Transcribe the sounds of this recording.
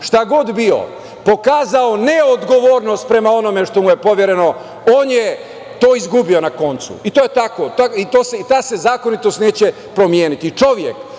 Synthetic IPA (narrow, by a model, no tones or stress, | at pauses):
ʃt̪aɡo̞d̪bio̞̰ | po̞kaːzao̞neod̪ɡo̞ʋoːɾnost̪̚pɾe̞mao̞no̞me̞ʃt̪o̞muje̞po̞ʋjeɾe̞no̞ | oːnje | t̪o̞ːizɡubio̞nako̞nt̪sṵit̪oːjet̪akot̪ait̪oːseit̪aːse̞zaːkonit̪o̞st̪ne̞ːt͡ɕe̞ | pɾo̞mjeːnit̪it͡ʃo̞ʋjḛk